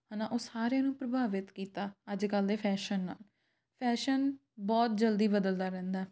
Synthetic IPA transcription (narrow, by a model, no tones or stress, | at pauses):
haːnãːʔoːsaːɾejãːnũːpɾəbʱaːʋɪt̪kiːt̪aːəd͡ʒkəld̪eːpʰɛːʃənːa̰ːl | pʰɛːʃən | bɔːt̪̚d͡ʒəld̪iːbəd̪əld̪aːɾɛ̃ːnd̪aː